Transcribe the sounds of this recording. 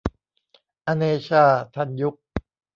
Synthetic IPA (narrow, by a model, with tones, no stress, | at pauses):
ʔa˧neː˧ɕʰaː˥˧˩t̪ʰa˥˩nju˦˥k̚